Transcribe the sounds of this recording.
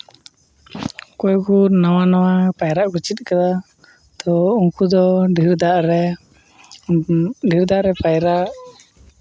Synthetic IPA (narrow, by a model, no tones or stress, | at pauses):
kɔjkunawanawapajɾaʔɡɔt͡ʃit̪̚kad̪a | t̪ɔuŋkud̪ɔɖʱiɾd̪aʔɾ | ɖʱiɾd̪aʔɾɛpajɾaʔ